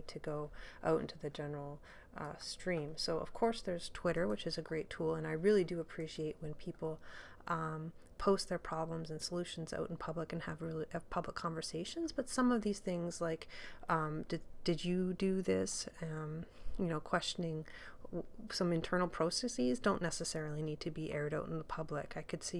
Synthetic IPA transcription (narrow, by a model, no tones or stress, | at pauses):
tʰɨɡoʊʔa̰ʊɾɪ̰̃ntʰʉðɨd͡ʒɛnə˞l̩ˠ | stɹ̥ĩmsoʊʔʌ̰v̥kʰɔɹsðə˞z̥tʰw̥ɪɾə˞wɨt͡ʃɨzɨɡɹeɪtʰulˠə̃naɪɹɪlˠidɨəpʰɹ̥iʃieɪʔ̚wɨ̃npʰipl̩ˠ | ʔʌ̃m | pʰoʊst̪̚ðə˞pʰɹ̥ɑblə̃mzɨ̃n̩səlʉʃn̩za̰ʊɾn̩pʰʌbləkɨ̃nɨvɹɪlˠiɨ̥pʰʌbləkʰːɑ̃ɱvə˞seɪʃɨ̃nzb̥ʌtsʌ̃mʌvðiz̥θɪ̃ŋz̥laɪkʌ̃mdɨd̥ɨd͡ʒɨdɨðɪsʌ̃mjɨnoʊkʰw̥ɛst͡ʃɨnɪ̃ŋ | sʌ̃mɨ̃ntʰɜ˞nl̩ˠpʰɹ̥oʊsɛsizdõʊ̃nːɛsɨsɛɹl̩ˠinid̚tʰɨbiʔɛɹɾaʊɾn̩ðəpʰʌblɪkaɪkʰɨd̥si